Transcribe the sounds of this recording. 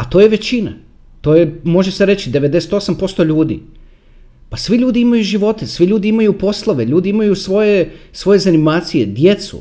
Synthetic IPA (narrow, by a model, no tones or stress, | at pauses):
at̪o̞ːje̞ʋe̞t͡ɕina̰ | t̪o̞ːjemo̞ʒe̞se̞ɾe̞t͡ɕid̪e̞ʋed̪e̞set̪o̞sampo̞st̪o̞ʎuːd̪ḭ | pasʋiʎuːd̪iimajuʒiʋo̞t̪e̞sʋiʎuːd̪iimajupo̞slˠoʋe̞ʎuːd̪iimajusʋo̞jesʋo̞je̞zanimaːt̪sije̞d̪je̞t̪sṵ